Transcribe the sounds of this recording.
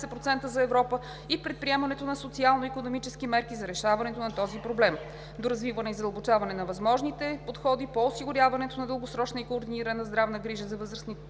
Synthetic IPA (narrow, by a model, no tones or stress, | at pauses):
sɛpɾot̪sɛnt̪əzɐɛvɾɔpə | ipɾɛt̪̚pɾiɛmɐnɛt̪onɐsot̪sialˠnoikonomit͡ʃɛskimɛɾkizɐɾɛʃavɐnɛt̪onɐt̪ɔzipɾoblɛm | d̪oɾɐzvivənɛizɐd̪əlˠbot͡ʃavɐnɛnɐvɐzmɔʒnit̪ɛpot̪xɔd̪ipoːsiɡʊɾʲjavɐnɛt̪onɐd̪əlˠɡosɾɔt͡ʃnɐikoːɾd̪iniɾənɐzd̪ɾavnəɡɾiʒəzɐvɤzɾəsnit̪